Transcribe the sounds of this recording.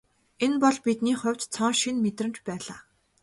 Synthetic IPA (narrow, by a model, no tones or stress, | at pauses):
enpɔɮpit̪niːχʊ̟wʲt͡ɕt͡sʰɔŋʃinmet̪rɘ̆mt͡ɕpæːɮaː